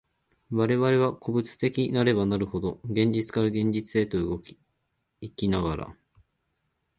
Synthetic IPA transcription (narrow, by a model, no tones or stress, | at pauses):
βaɾe̞βaɾe̞β̞akʰo̞bɯ̟t͡sɨ̥t̪e̞kʲinaɾe̞banaɾɯ̟ho̞d̪o̞ɡẽ̞ɲ̟d͡ʑit͡sɨ̥kaɾaɡẽ̞ɲ̟d͡ʑit͡sɨe̞t̪o̞ɯ̟ɡo̞kʲi̥ː | kʲinaɡaɾa̰